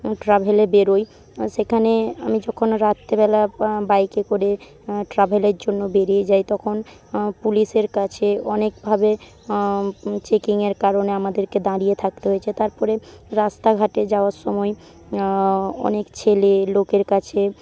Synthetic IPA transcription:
ʈɾabʱelebeɾoj | ʃekʰanea̰mid͡ʑɔkʰonɾat̪ːebɛlabajkekoɾe | ʈɾabʱeleɾd͡ʑonːobeɾijed͡ʑajt̪ɔkʰon | puliʃeɾkat͡ɕʰeɔnekbʱabe | t͡ɕekiŋeɾkaɾoneamad̪eɾked̪aɾijet̪ʰak̚t̪eɦoet͡ɕʰet̪aɾpɔɾeɾast̪aɡʱaʈed͡ʑaoaɾʃɔmɔe | ɔ̰nekt͡ɕʰelelokeɾkat͡ɕʰe

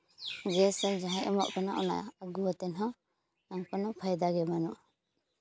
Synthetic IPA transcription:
ɡɛsɛd͡ʒaɦɛ̃ʔɛmɔʔpɛnaʔɔna̰ja̰aɡuwat̪ɛnɦɔ̃ | aŋkɔnapʰajd̪aɡɛmanɔʔ

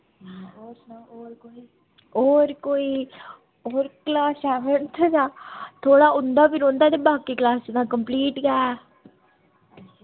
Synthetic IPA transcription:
i | oːɾkoːiː | oːɾklaːsɛːʋənt̪ʰad͡ʒaːt̪ʰoːɽaːʊnd̪aːpɪnõːnd̪aːt̪eːbaːkiːklaːst͡ʃɪd̪ãːkəmpliːʈɡɛː

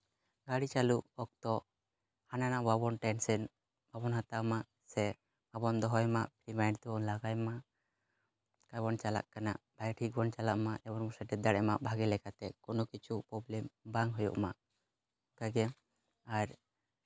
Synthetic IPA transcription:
ɡaɽit͡ʃaluʔɔk̚t̪ɔʔ | hananaʔbabɔnʈɛnsɛn | babɔnɦat̪amaʔ | sɛ | abɔnd̪ɔɦɔjmaʔpɾimajnt̪ɔɔnlaɡajma | kajbɔnt͡ʃala̰ʔkana̰ʔbʱajʈʰik̚bɔnt͡ʃalaʔmaɛbɔnmɔsaʈɛd̪aɽɛmaʔbʱaɡɛlɛkat̪ɛkɔnɔkit͡ʃʰuʔpɾɔblɛmbaŋɦɔjɔ̰ʔmaʔ | ɡaɡɛ | aɾ

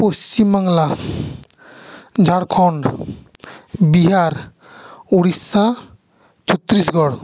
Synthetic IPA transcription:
post͡ɕimbaŋla | d͡ʒʱaɽkʰɔn | biɦaɾ | oɽisːã | t͡ʃʰɔt̪ːɾis̬ɡɔɽ

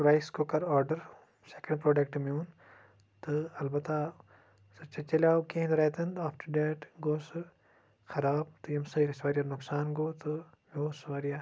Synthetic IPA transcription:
ɾajskokɐɾɔːɾɖɐɾ | seːkɐ̃ɳɖpɾoːɖɐk̚ʈmjuːn | t̪ɨɐlbɐt̪ːa | sɐt͡ʃɐt͡ʃɐlʲaːukẽnd̪ɾet̪ɐnd̪aːfʈɖeːʈɡoːsɨ | xɐɾaːb̚t̪ujɐmsɐiɾisʋaːɾijɐnʊksaːnɡoːt̪ɨ | joːsʋaːɾija

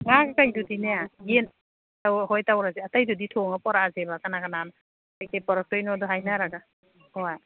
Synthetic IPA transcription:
ŋakakajdudinejaɡen | tawɦojtawɾazeatajdɔditʰɔŋapɔɾazebakanakanan | ajkepɔɾɔk̚tojnɔdɔɦajnaɾaɡa | hoj

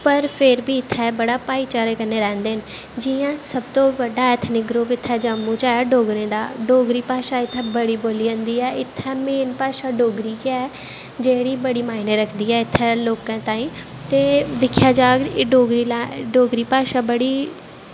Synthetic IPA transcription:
pəɾpʰɪɾbiːɪt̪ʰːɛːbəɽaːpaːiːt͡ʃaːɾekəneːɾɛ̃ːnd̪eːɦən | d͡ʒiãːsəb̚t̪õːʋəɖaːɛːt̪ʰnɪk̚ɡɾʊpɪt̪ʰːɛːd͡ʒəmũːt͡ʃaːɖoːɡɾẽːd̪a̰ːɖoːɡɾiːpaːʃaːɪt̪ʰːɛːbəɽiːboːliːə̃nd̪iːɛːɪt̪ʰːɛːmeːnpaːʃaːɖoːɡɾiːkɛ | d͡ʒeːɽiːbəɽiːmaːineːɾəkʰd̪iːɛːɪt̪ʰːɛːloːkãːt̪ãːĩː | t̪eːd̪ɪkʰjaːd͡ʒaːkːɖoːɡɾiːlaɖoːɡɾiːpaːʃaːbəɽiː

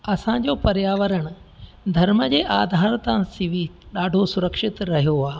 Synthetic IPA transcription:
ɐsãd͡ʑoːpɐɾjaːʋəɾəɽ̃ | d̪ʱɐɾməd͡ʑeːʔaːd̪ʱaːɾt̪ãsɪʋiɗaːɖʱosʊɾəkʂɪt̪ɾɐɦijoaː

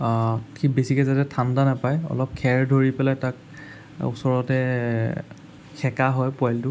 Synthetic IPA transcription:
kʰibesikɛzatɛtʰandanapajɔ̰lɔp̚kʰɛɹdʱoɹipɛlajtak̚ | ṵsɔɹɔtɛ | kʰɛkaɦɔjpɔjltʊ

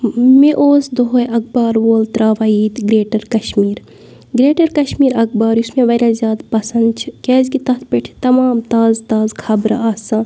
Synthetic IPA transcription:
meʔoːsd̪oɦoːeɐk̚baːɾʋoːlt̪ɾaːʋaːiːt̪ɡɾeːʈəɾkɐʃmiːɾ | ɡɾeːʈɐɾkɐʃmiːɾɐk̚baːɾʊsmẽʋɐɾaːzjaːd̪pɐsɐnd̪̚t͡ʃʰi̥keːzkit̪ɐt̪̚ʰpeʈʰi̥t̪ɐmaːmt̪aːzt̪aːzkʰɐbɾ̰aːãː

